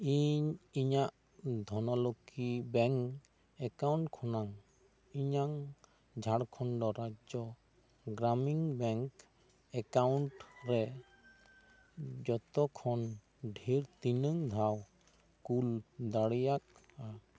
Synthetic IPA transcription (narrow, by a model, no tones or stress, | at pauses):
iɲiɲaʔ | d̪ʱɔnɔlokibɛŋk | ɛkawɳʈkʰɔnaŋ | iɲaŋ | d͡ʒʱaɽkʰɔɳɖɔɾad͡ʒɔ | ɡɾamiŋbɛŋk | ɛkawɳʈɾɛ | d͡ʒɔt̪ɔkʰɔn | ɖʱiɾt̪inəŋd̪ʱaw | kuld̪aɽijak̚a